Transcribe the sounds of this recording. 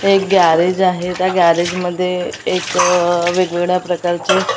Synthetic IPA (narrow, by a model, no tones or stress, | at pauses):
ek̚ɡaɾed͡ʑaɦet̪jaɡaɾed͡ʑməd̪ʱːjeːkʋeɡʋeɡɭjapɾəkaɾt͡se